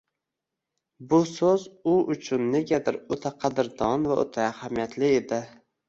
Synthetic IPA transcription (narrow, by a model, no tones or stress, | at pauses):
bʊsozʊʔʊt͡ʃʰʊnːe̞ɡʲad̪ɪɾot̪ʰaqʰɑd̪ɪɾd̪ɒnvaʔo̰t̪ʰaahamijat̪ʰlɪed̪ɪ